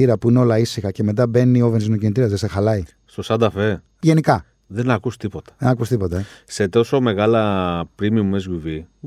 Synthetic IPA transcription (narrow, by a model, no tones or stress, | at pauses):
iɾɐpuineo̞lɐisixɐce̞me̞t̪̬ɐbe̞nːiovenzino̞cinit̪̬iɐzðesexɐlɐi | st̪osɐd̪ɐfe̞ | ʝe̞nikɐ | ðe̞nɐkust̪ipo̞t̪ɐ̥ðenɐkust̪ipo̞t̪ɐse̞t̪o̞so̞me̞ɣɐlɐpɾimiumezʝuvi